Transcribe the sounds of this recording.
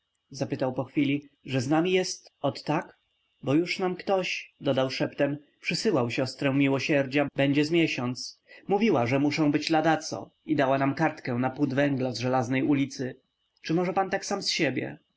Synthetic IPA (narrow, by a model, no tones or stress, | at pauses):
zapɘt̪awpɔxfʲilʲiʐɛznamʲijɛst̪ɔt̪ːak | bɔjuʂnamkt̪ɔɕd̪ɔd̪awʂɛpt̪ɛm | pʂɘsɘwawɕɔst̪ɾɛ̃mʲiwɔɕɛɾd͡ʑabɛɲd͡ʑɛzmʲjɛɕɔnt̪smuvʲiwaʐɛmuʂɛ̃w̃bɘd͡ʑlad̪at̪sɔ̰id̪awanamkaɾt̪kɛnapud̪vɛ̃ŋɡlazʐɛlaznɛjulʲit̪sɘ | t͡ʂɘmɔʐɛpant̪aksamsɕebʲjɛ̰